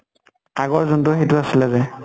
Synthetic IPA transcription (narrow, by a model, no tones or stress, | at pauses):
aɡɔɹzɔntʊxejtʊasilɛzɛ